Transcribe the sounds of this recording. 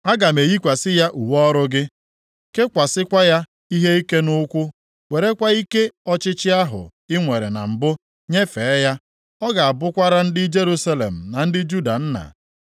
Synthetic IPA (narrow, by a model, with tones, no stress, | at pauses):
a˦ɡa˨me˨ji˦kʷa˨sɪ˦ja˦ʔu˨wɔ˦ɾʊ˦ɡɪ˦ | ke˦kʷa˨sɪ˦kʷa˦ja˦ | i˦ɦe˦i˦ke˦nʊ˦kʷʊ˦ | we˨ɾe˦kʷa˦i˦ke˦ɔ˦t͡ʃɪ˦t͡ʃɪ˦a˦ɦʊ̰˨ | ɪ˦ŋʷe˨ɾḛ˨na̰˨m̩˨bʊ˦ | ɲe˦fe˨˦ja˦ | ɔ˦ɡa˨a˨bʊ˦kʷa˦ɾa˦n̩˦dɪ˦d͡ʒe˦ɾu˦sa˦lḛ˨m̩˨na˨n̩˦dɪ˦d͡ʒu˦da̰˨n̩˦na̰˨